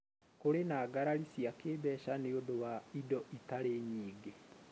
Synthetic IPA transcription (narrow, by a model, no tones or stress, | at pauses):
koɾenaːɡaɾaɾisiakeːbɛːʃaneoðowaidɔʔitaɾeɲiːɡe